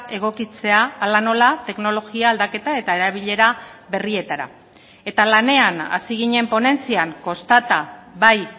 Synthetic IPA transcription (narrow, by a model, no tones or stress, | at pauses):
e̞ɣ̞o̞kit͡se̞aːlano̞lat̪e̞kno̞lo̞ɣiaːld̪ake̞t̪ae̞t̪ae̞ɾaβ̞iʎe̞ɾaβe̞rie̞t̪aɾa̰ | e̞t̪alane̞ana̰siɣ̞iɲe̞mpo̞ne̞nt͡siaŋko̞st̪at̪aβaj